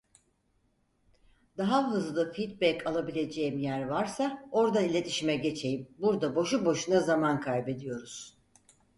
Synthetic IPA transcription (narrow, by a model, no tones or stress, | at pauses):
d̪̥aɦaɦɯzlˠɯfit̪̚bɛkʰalˠabilʲe̞d͡ʒe̞jimjæɾvaɾsao̞ɾd̪ailʲe̞t̪ʰi̥ʃimɛɟe̞t͡ʃʰe̞jimbuɾd̪abo̞ʃubo̞ʃunazamankʰajbe̞d̪ijo̞ɾuz̥